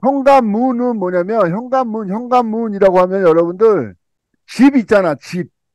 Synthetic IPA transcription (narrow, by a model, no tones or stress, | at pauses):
çjʌŋɡamːunɯnmʌɲamjʌnçjʌŋɡamːunçjʌŋɡamːuɲiɾaɡoɦhamjʌnjʌɾʌbundɯɭ | t͡ɕibit̚t͡ɕ͈anat͡ɕip̚